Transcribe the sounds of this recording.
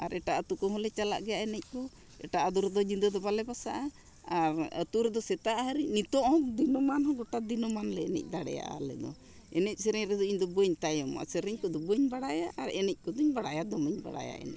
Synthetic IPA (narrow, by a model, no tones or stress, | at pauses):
aɾʔɛʈaət̪ukɔɦɔ̃lɛt͡ʃala̰ʔɡɛjaʔɛnɛc̚ˀkɔ | ɛ̰ʈaʔad̪uɾd̪ɔd͡ʒid̪əd̪ɔbalɛbasaʔa | aɾət̪uɾd̪ɔsɛt̪aʔaɦəɾinit̪ɔʔɔk̚d̪inɔmanhɔ̃ɡɔʈad̪inɔmanlɛːnɛ̰c̚ˀd̪aɽɛ̰ja̰ʔa̰lɛ̰d̪ɔ̰ | ɛnɛc̚ˀsɛɾɛɲɾɛd̪ɔiɲd̪ɔbəɲt̪ajɔma̰səɾɛɲkɔd̪ɔbəɲbaɽajaʔːɾɛnɛc̚ˀkɔd̪uɲbaɽajad̪ɔməɲba̰ɽa̰ja̰ʔɛ̰n